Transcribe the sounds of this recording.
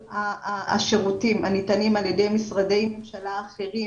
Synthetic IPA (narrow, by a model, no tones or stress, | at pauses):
aa̰ʃeʁutimanitanimaljede̞jmisʁade̞jmemʃalaːχeʁi